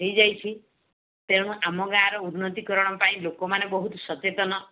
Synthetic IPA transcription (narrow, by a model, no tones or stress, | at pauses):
ɦejd͡ʒajt͡ʃʰi | t̪eɽ̃ũʔamɔɡaːɾɔunːɔt̪ikɔɾɔɽ̃ɔpaĩlokɔmanebɔɦut̪sɔt͡ʃet̪ɔnɔ